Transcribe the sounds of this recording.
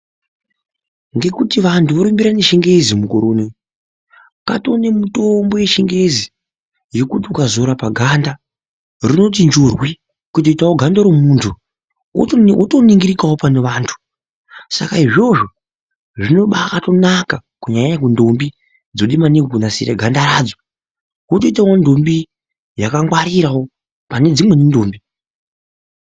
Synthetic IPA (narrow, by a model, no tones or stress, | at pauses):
ŋɡe̞kutiʋantʰuʋoɾumbiɾaneʃiŋɡe̞zimukoɾoːne | ka̰to̞nemutombo̞je̞ʃiŋɡe̞zi | je̞kutiukazoɾapaɡʱanda | rino̞t̬ind͡ʒorwi | kut̬oitawoɡʱandoɾomuntʰu | utoniŋɡiɾikawopaneʋaːntʰu̥ | sa̰kaiʐo̞ʐo̞ | ʐino̞ɓaːkato̞nakakuɲaɲaɲakundo̞mbi | d͡zoɗimanikokunasḭɾḛɡʱandaɾaːd͡zo | kutoitawo̞ndo̞mbi | jakaŋwaɾiɾawo̞ | pane̞d͡zimwe̞nindoːmbi